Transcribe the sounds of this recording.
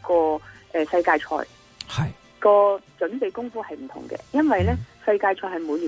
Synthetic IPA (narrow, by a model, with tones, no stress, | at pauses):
kɔː˧ʔɛː˨sɐ˧jkaː˧jt͡ʃʰɔ̰ː˧j | hɐj | kɔː˧t͡ʃɵ˨˥npe˨˧jkʊ˥ŋfuː˥hɐ˨jm̩˨˩t̪ʰʊ̰˨˩ŋkɛ̰ː˧jɐ˥nwɐ˨jlɛː˥sɐ˧jkaː˧jt͡ʃʰɔː˧jɦɐ˨jmuː˨˧˥li˨˩